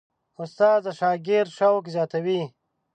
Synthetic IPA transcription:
ʊst̪aːzaʃaːɡɪɾʃawkezjaːt̪awi

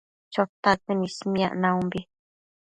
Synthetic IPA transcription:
t͡ʃot̪akɨnĩsmĩa̰ʔnãũmbi

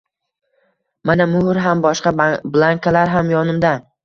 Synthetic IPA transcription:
manamʊhɾɦambɒʃqɑblˠaŋkʰalaɾɦamjɒnɪmd̪a

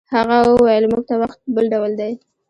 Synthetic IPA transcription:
haɣawajlmuɡ̚t̪awaxt̪̚bəlɖawld̪aj

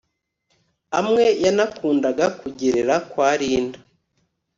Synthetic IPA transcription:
amŋe̞janakuːndaɡakuɟeɾe̞ɾakwaːɾiːnda

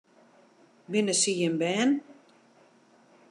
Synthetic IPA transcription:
bɪnəsiənbɛːn

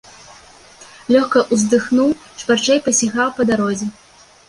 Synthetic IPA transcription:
lʲɔxkɐʔuzd̪ɨxnuwʂpart͡ʂɛjpɐsʲaɣawpɐd̪aɾɔzʲɛ

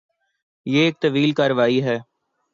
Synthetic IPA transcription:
jeːeːk̚t̪əʋiːlkaːɾʋaːiɦɛː

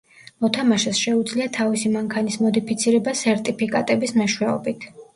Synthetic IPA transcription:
mɔt̪ʰamaʃɛsʃɛud̪zliat̪ʰavisimaŋkʰanismɔd̪ipʰit̪sʰiɾɛbasɛɾt̪ʼipʰikʼa̰t̪ʼɛbismɛʃwɛɔbit̪ʰ

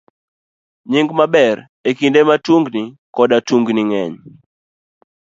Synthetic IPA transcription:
ɲɪŋɡmabɛr | ekindematuŋɡnikɔdatuŋɡnɪŋɛɲ

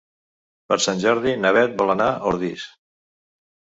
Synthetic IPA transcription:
pəɾsanʲʒɔɾðinəβ̞ɛt̪̚bɔlənaʔoɾðis

